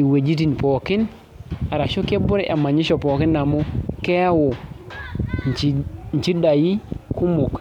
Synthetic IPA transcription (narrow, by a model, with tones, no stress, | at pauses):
i˨we˨d͡ʒi˦t̬i˨n˨po˨ki˦n | a˨ɾa˨ʃu˦ke˦bu˦ɾe˦ʔa˨mːa˨ɲi˦ʃo˨po˨ki˦nːa˨mo˦ke˦a˦wo˨ | n˨t͡ʃi˦n˨t͡ʃi˦da˨ji˦ku˦mu˨k